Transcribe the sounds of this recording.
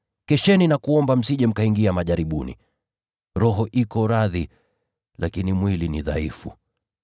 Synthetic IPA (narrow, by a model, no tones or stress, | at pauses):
kɛʃɛninakuɔmbam̩siʄɛm̩kaiŋɡiamaʄaɾiɓunḭ | ɾɔɦɔʔikɔɾaði | lakinimwiliniðaifṵ